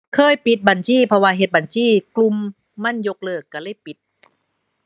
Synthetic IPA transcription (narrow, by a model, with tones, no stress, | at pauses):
kʰɤː˧˥˨jpi˨˧˩t̪̚ba˨˩nsʰiː˥˩pʰɔ˧waː˧ɦe˨˩t̪̚ba˨˩nsʰiː˥˩klu˧mː | a˧˥˩njo˧˥k̚lɤː˧˩kːa˧˩lɤː˧˥˩jpi˨˦t̪̚